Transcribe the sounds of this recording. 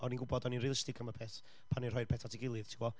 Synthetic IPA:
ɔninɡʊbɔdɔninriːlˠɪstɪɡʰaməpʰɛθ | pʰanir̥hɔɨrpʰɛθatʰɪɡɪlˠɨðtʰiwɔ

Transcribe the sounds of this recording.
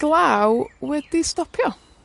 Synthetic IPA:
ɡ̥lˠawwɛd̥istɔpʰjɔ

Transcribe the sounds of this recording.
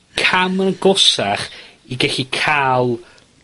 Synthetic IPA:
kʰamənɡɔsaχiɡɛɬikʰalˠ

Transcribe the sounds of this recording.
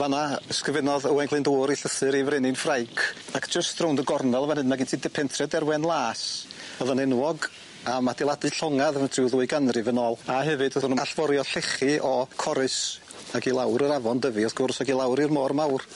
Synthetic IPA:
vanaskrvɪnɔðəwɛŋɡlˠɨndoːɾiɬəsɨɾivɾɪnɪnfrajkʰakʰd͡ʒəstrowndəɡɔrnɛlˠvanhɨdmaɡɪntʰiːdɛpʰɛntʰrɛdɛrwɛnlˠaːsɔðanɪnwɔɡ | amadɪlˠadɨɬɔŋaðvntʰrɪwðuːɨɡanrɨvənɔːlˠaɦɛvɨdɔnaɬvɔɾjɔɬɪχiʔɔkʰɔɾɨs | aɡilˠawɾəɾavɔndəviɔsɡ̥ʊrsaɡilˠawɾirmɔrmawr

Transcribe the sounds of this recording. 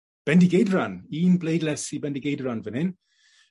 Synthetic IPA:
b̥ɛndiɡejdɾaniːnbleːdlɛsibɛ̃ndiɡeːdɾanvənɪn

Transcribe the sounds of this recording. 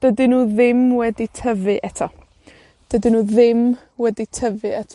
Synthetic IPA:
d̥ədɨnuːðɪmwɛditʰəvɨʔɛtʰɔ | d̥ədɨnuːðɪm | wɛditʰəvɨɛtʰ

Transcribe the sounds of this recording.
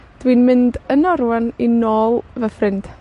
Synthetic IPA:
d̥winmɪndənɔɾwaninoːlˠvəfrɪnd̥

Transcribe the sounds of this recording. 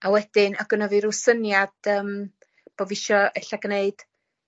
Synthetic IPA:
awɛd̥ɪnaɡənəviɾusənjad̥əːm | b̥oviʃɔɛɬaɡneɨd̥

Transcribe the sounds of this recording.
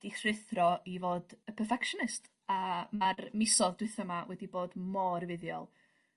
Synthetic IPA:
d̥iθrɪθrɔʔivoːdəpʰərfɛkʃɔnɪst | amarmɪsɔðdwɪθəmawɛdiboːdmɔrvɪðjɔ̰lˠ

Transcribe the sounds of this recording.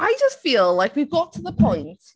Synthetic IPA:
ʔaɪd͡ʒʌstfilˠlaɪkwivɡɑtʰəðəpʰɔ̃ɪ̃nt

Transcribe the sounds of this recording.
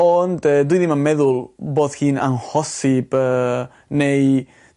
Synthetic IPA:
ɔndəːdwiðimamɛðʊlˠboːðhiːna̰nhɔsɪb̥əː | nej

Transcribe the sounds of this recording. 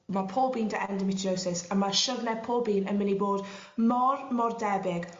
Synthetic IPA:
mapʰoːlˠbiːndʰəʔɛndəmɪtʰowsɪsənmaʃʊvnɛpʰɔːlˠbiːnənmɪnibɔːd̥ | mɔɹmɔrdɛbɪɡ̥

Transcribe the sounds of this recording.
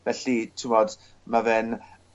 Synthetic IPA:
vɛɬitʰɪmɔd | mavɛn

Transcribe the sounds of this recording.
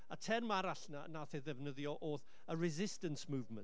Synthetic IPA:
atʰɛrmaɾaɬnanaθɛðɛvnəðjɔʔoːθ | ərɛzɪstənsmuːvmə̰nt

